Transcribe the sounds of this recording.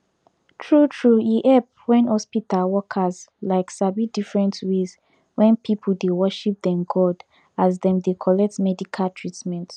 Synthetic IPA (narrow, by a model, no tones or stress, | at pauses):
tʰɹutʰɹujiʔɛp̚wɛ̃nhɔspitalwɔkʰazlaɪksabidifɹɛ̃ntwez | wɛ̃npʰipʰuldewɔʃip̚dɛ̃mɡɔd | azðɛ̃mdekʰɔlɛk̚tmɛdikʰaltʰɹitmɛ̃nt